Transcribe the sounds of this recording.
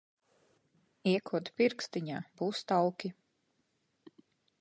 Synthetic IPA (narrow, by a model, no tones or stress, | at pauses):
iɛkʰuɔt̪piɾkst̪iɲaːbuːst̪awkʲi